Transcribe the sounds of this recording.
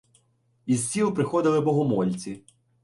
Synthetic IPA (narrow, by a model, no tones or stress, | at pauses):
izsʲilˠpɾɪxɔd̪ɪlˠɪbɔɦɔmɔlʲt͡sʲi